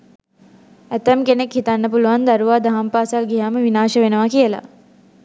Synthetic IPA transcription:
æt̪æmkenekhit̪anːəpuluʋand̪aɾuʋaːd̪aɦampaːsalɡiɦaːməʋinaːʃəʋenəʋakiəla̰

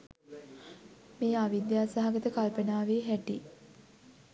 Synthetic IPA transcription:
meːaʋid̪jaːsaɦaɡət̪əkalpənaːʋeːɦæʈi

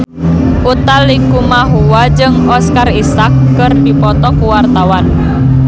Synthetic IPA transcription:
ʔut̪aliŋkumaɦuwad͡ʒɨŋɦɔskarisakːərdipɔt̪ɔkuwart̪awan

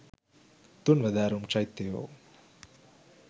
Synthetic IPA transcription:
t̪unʋɐd̪aːɾumt͡ʃajt̪ːejo̰

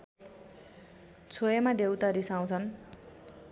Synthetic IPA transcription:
t͡sʰojamad̪ewt̪aɾisaw̃t͡sʰʌn

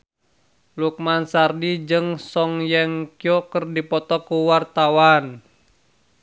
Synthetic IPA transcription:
luk̚mansardid͡ʒɨŋsɔŋjɛŋkiɔkərdipɔt̪ɔkuwart̪awan

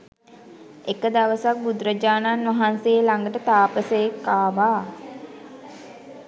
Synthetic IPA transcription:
ekəd̪aʋəsak̚bud̪ɾəd͡ʒaːnanʋaɦanseːlaŋɡəʈət̪aːpəsəjekːaːʋaː

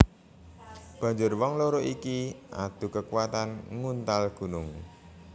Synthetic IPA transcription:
b̥ä̤ɲd͡ʒʊrwɔŋloɾoʔikiʔa̰d̪̥ṳkəkuwat̪anŋunt̪alɡ̥ṳnʊŋ

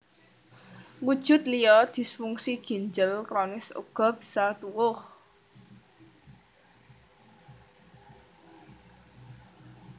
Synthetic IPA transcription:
wud̥ʒ̥ʊ̤t̪̚lijɔd̪̥i̤sfuŋsiɡ̥i̤nd͡ʒəlkɾɔnɪsṵɡ̥ɔ̤b̥i̤̥sat̪uwʊh

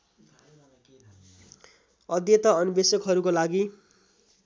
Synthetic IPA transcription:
ʌd̪jʌt̪ʌʌnibesʌkɦʌɾukolaɡi

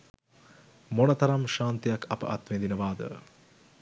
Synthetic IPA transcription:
monət̪ɐɾamʃaːnt̪əjakʰɐpə̰ʔat̪ʋend̪inəʋaːd̪ə̰

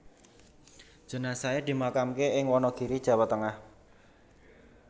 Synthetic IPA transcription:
d̥ʒ̥ə̤nasaed̪̥i̤makamkeɪŋwɔnɔɡ̥i̤ɾid̥ʒ̥a̤wat̪ːəŋah

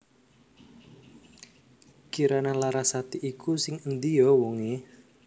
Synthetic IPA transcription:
kiɾanalaɾasat̪iʔikʰusɪŋənd̪ijɔwɔŋe

